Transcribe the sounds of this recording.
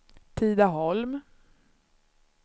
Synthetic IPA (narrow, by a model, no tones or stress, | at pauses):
t̪ʰiːd̪aɦɔlm